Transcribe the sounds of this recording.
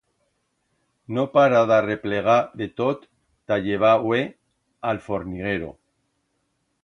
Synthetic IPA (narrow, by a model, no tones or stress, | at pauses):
nopaɾaðare̞pleɣ̞aðet̪ot̪ː | aʎeβ̞awe | alfo̞ɾniɣ̞eɾo̰